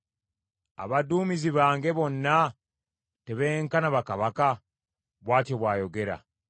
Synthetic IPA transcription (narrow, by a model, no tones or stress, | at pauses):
a̰βaduːmiziβaːŋɡe̞βo̞nːa | te̞βeːŋkanaβakaβaka | βwaːtoβwaːjo̞ɡe̞ɾa̰